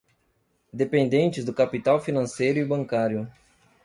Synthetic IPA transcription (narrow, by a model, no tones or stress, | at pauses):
d̪epẽnd̪ẽnt͡ʃɪzd̪ʊkapit̪awfinɐ̃sejɾʊibɐ̃ŋkaɾjʊ